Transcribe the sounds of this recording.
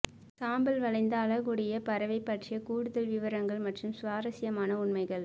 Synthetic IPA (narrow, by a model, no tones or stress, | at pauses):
saːmbɐlʋɐɭɐɪnd̪ɐːɭɐɣuɽɪjɐpɐɾɐʋɐɪpːɐʈrɪjɐkuːɽɯðɐlʋɪʋɐɾɐŋɡɐɭmɐʈrɯmsʋaːɾɐsɪjɐmaːnɐʊɳmɐɪɣɐɭ